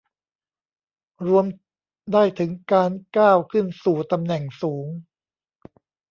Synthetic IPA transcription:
ɾu˧əm | daː˥˩jt̪ʰɯ˩˦ŋkaː˧nkaː˥˩wkʰɯ˥˩nsuː˨˩t̪a˧mnɛ˨˩ŋsuː˩˦ŋ

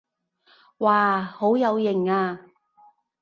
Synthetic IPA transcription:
waː˨˩ho˨˥wjɐ˨˧wjɪ˨˩ŋaː˧

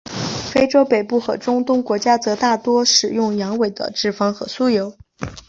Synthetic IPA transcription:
fe˥ɪʈ͡ʂo˥ʊpe˨˩ɪpu˥˩xɤ̰˧˥ʈ͡ʂʊ˥ŋt̪ʊ˥ŋkwɔ˧˥t͡ɕja˥t͡sɤ˧˥t̪a˥˩t̪wɔ˥ʂɻ̩˨˩jʊ˥˩ŋjɑ˧˥ŋwe˨˩ɪd̪ə̰˦ʈ͡ʂɻ̩˥˩fɑ˥ŋxɤ̰˧˥su˥jo˧˥ʊ

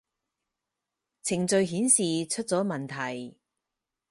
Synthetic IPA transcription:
t͡sʰɪ˨˩ŋt͡sɵ˨˧ɥɦiː˨˥nsiː˨t͡ʃʰɵ˥t̚t͡sɔː˨˥mɐ˨˩nt̪ʰɐ˨˩j

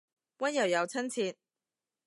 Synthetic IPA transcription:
wɐ˥njɐ˨˩wjɐ˨˧wt͡sʰɐ˥nt͡sʰiː˧n̚

